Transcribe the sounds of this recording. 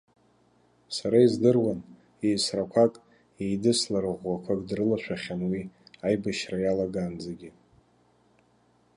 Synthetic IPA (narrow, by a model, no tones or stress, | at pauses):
saɾaizdɨrwan | ejsrakʷʰakʼ | ejdɨslaɾɨʁʷwakʷʰakʼdrɨlaʃʷʰᶣaχʲanwiajbaʃrajalaɡaːnd͡zaɡʲɪ